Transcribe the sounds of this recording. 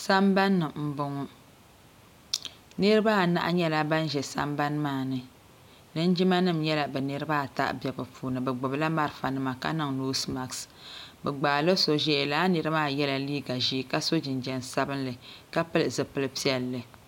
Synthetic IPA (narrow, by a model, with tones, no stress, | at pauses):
sa˦mba˦nːɨ˨m̩˨bʊ˨ŋɔ˦ | nɨ˦ɾɨ˦ba˦˨na̰˦ʔa˦ɲɛ˦la˦ba˦n˦ʒɛ˨sa̰˦mba˦nmaː˦˨nɨ˨ | lɨ˦n˦d͡ʒi˦ma˦nɨ˦mɲɛ˦la˨bɛ˨nɨ˦ɾɨ˦baː˦˨ta̰˦ʔbjɛ˨bɨ˨pʰuː˨nɨ˨bɛ˨ɡ͡bʊ˨bla˦ma˦ɾɨ˦˨fa˨nɨ˦ma˨ka̰˦nɨ˦ŋno˦sma˨ksbɛ˨ɡ͡baː˨lɨ˦so˨ʒɛ˦˨laː˦nɨ˦ɾɨ˦maː˦˨jɛ˦la˨liː˦ɡa˨ʒi˦˨ka˦so˦d͡ʒɪ˨nd͡ʒɛ˨nsa˦bɨ˦nlɨ˨ka˦pɨ˦lɨ˨zɨ˨pɨ˦lɨ˦pi˦ɛ˨lːɨ˨